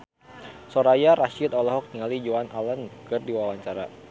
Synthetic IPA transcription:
sɔɾajaɾaʃit̪ɔlɔɦɔk̚t̪iŋalid͡ʒoanalənkɨrdiwawaɲt͡ʃaɾa̰

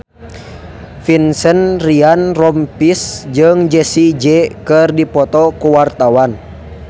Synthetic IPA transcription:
finsənrianrɔmpisd͡ʒɨŋd͡ʒɛsid͡ʒɛkɨrdipɔt̪ɔkuwart̪awan

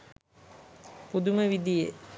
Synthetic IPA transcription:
pud̪uməʋid̪ije

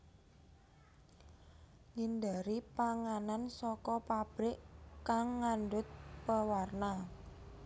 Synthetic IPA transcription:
ŋindaɾipaŋanansɔkɔpab̥ɾɪʔkaŋːanɖʊt̪̚pəwarna

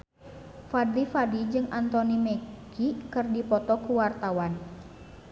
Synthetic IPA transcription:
fad̪ifadid͡ʒɨŋʔant̪ɔnimɛkʰikɨrdipɔt̪ɔkuwart̪awan

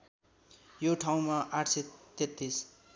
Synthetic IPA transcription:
joʈʰaw̃maʔaʈʰset̪et̪ːis

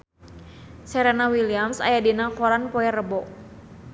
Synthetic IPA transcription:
sɛɾɛnawiliamsa̰jadinakɔɾanpɔɛrəbɔʔ

